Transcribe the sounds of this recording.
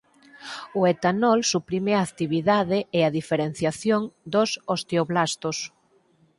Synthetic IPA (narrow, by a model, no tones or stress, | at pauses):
ʊet̪anɔlsupɾimeaːkt̪iβiðaðɪeaðifeɾen̟θjaθjoŋd̪osost̪eoβlast̪os